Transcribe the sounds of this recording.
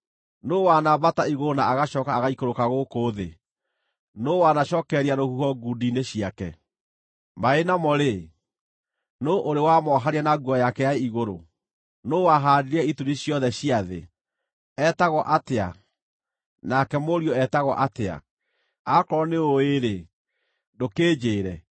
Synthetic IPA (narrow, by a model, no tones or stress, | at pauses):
nowanabataiɣoɾonaaɣaʃɔːkaːɣaikoɾokaɣokoːðe | nowanaʃɔːkɛɾeaɾohuhɔɡudineɕiakɛ | maenamɔɾe | noʔoɾewamɔɦaɾeanaɡwɔjakɛjaiɣoɾo | noːwaɦadeɾɛituɾiɕjɔðɛɕiaðḛ | ɛtaɣɔʔatea̰ | nakɛmoɾiɔɛtaɣɔ̰ʔatea̰ | akɔɾɔneoeɾe | dokeːd͡ʑeːɾɛ